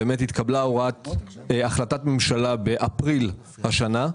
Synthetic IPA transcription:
emethit̪kablaoʁat̪eaχlatatmemʃalabe̞ʔapʁil | haʃana

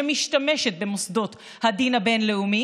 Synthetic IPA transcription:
emiʃt̪ameʃet̪̚bemosd̪ot̪ | had̪inabenleumi

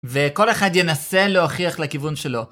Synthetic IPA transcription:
veko̞le̞χad̪jenaseloaχiaχlekivunʃelo̞

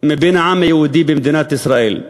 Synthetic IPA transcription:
mabiːnʕamːajawud̪iːbimd̪ɪnaːt̪ʔɪsɾaʔḭːl

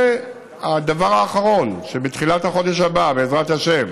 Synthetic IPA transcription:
ad̪avaʁaːχaʁo̞nʃebet̪χilathaχo̞d̪eʃ̬ababeːzʁathaʃe̞v

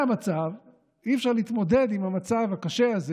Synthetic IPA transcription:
amat͡sav | iɛfʃaʁliit̪mo̞de̞dimhamat͡savhakaʃeaze

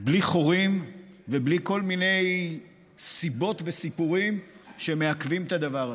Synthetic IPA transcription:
bliχo̞ʁim | vebliko̞lmine̞j | sibo̞tvesipuʁimʃe̞me̞akvimet̪ad̪avaʁ

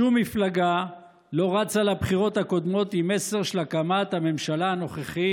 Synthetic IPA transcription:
umːiflaɡa | lo̞ʁat͡salabχiʁo̞t̪hako̞d̪mo̞t̪ime̞se̞ʁʃelakamat̪hame̞mʃalaano̞χeχi

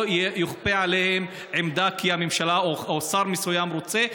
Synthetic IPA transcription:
jjoχpeʕalehem | ʕemd̪akihamemʃalaoosaɾmisujamɾot͡se

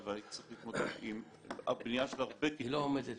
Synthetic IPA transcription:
veait̪i̥t͡sʁiχlit̪mod̪eim | abnijaʃelaʁbekiloomed̪et̪

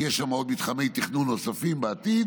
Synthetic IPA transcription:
jeʃʃamao̞d̪mit̪χamejt̪iχnunːo̞safimbeat̪id̪

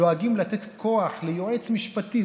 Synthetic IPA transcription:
oaɡimlat̪et̪kʰo̞aχlejoet͡smiʃpat̪i

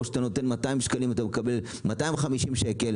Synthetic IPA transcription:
ʃat̪ano̞t̪e̞nmat̪aimʃkalimat̪amekabe̞l | mataimχamiʃimʃe̞kel

